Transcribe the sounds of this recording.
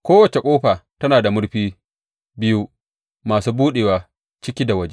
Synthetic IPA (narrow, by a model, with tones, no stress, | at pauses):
kʷoː˦wɐ˨t͡ʃe˨kʷʼoː˦ɸaː˨tɐ˦naː˨da˨mʊ˦ɽɸiː˦ | bɪ˦ju˦ | maː˨suː˦buː˦ɗeː˨waː˨ | t͡ʃɪ˦kʲiː˦da˨wɐ˦d͡ʒe˦